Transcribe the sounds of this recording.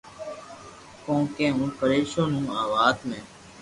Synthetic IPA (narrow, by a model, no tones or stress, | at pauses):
kõːkẽːɦũːpəɾeːʃõːnũːaːʋaːd̪mẽː